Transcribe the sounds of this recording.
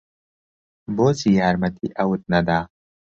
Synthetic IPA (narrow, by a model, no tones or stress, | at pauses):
boːzijaːɾmɐt̪ʰiʔɐwut̪̚nɐd̪aː